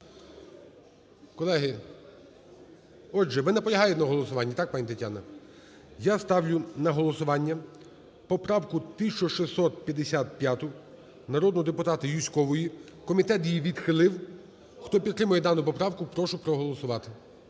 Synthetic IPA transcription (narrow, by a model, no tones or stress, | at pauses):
kɔlˠɛɦɪ | ɔʒɛʋɪnɛpɔlʲɐɦɑjʊtʲnɐɦɔlˠɔsʊʋɑnʲːɐt̪ɑk̚pɑnʲit̪ɐtʲanɐ | jast̪ɑwlʲʊnɐɦɔlˠɔsʊʋɑnʲːɐ | pɔpɾɑwkʊt̪ɪsʲt͡ʃɔʃɪsːɔt̪̚pʲjɐd̪esʲat̪̚pʲjat̪ʊ | nɐɾɔd̪nɔɔd̪epʊt̪ɑt̪ɪjʲisʲkɔʋɔjikɔmʲit̪ɛt̪jiʋʲid̪xɪlˠɪw | xt̪ɔpʲid̪t̪ɾɪmʊjɛd̪ɑnʊpɔpɾɑwkʊpɾɔʃʊpɾɔɦɔlˠɔsʊʋɑt̪ɪ̥